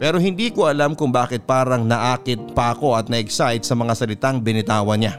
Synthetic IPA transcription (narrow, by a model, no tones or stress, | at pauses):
pɛːɾo̞ɦɪnd̪iːkoʔɐlamkʊŋbaːkɪt̪̚paːɾɐŋnɐʔaːkɪt̪̚paʔɐko̞ʔɐt̪nɐʔɛksajt̪̚sɐmɐŋasɐlɪt̪aŋbɪnɪt̪aːwɐnɲa